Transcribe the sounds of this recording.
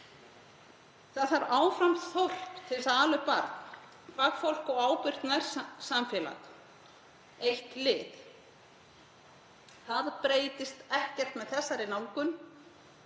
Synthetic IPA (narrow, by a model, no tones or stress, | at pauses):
θaðθaɾaːwfɾamθowr̥pt̪ʰɪlsaðaːlʏpa̰ɾt̪nn | fakfowl̥kɔɣaːwpɪɾ̥t̪naɾ̥samfjɛːla̰ɣ | ejht̪lɪð | θaðpɾeːjt̪ɪst̪ɛhcɛr̥t̪mɛðθɛsːaɾɪnaːwkʏn